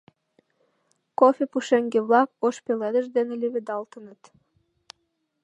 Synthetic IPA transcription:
kofʲepuʃeŋɡeβlɑkoʃpeled̪əʒd̪eneleβed̪ɑlt̪ənə̆t̪

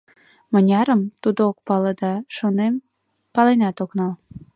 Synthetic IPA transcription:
mənʲɑɾəmt̪ud̪ookpɑləd̪ɑʃonem | pɑlenɑt̪oknɑl

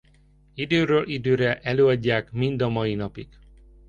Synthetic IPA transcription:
id̪øːɾøːlʔid̪øːɾɛʔɛløːɒɟːaːkmind̪ɒmɒjinɒpiɡ̥

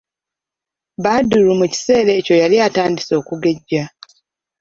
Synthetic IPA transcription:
βaduɾumuci̥se̞ːɾe̞ːco̞jaliataːndiso̞ːkuɡe̞ɟːa

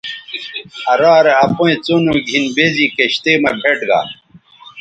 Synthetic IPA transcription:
ɐɾaːɾeɐpoẽt͡sonũːɡʱinbezikeɕt̪eːmɐbʱeʈɡa̰ː

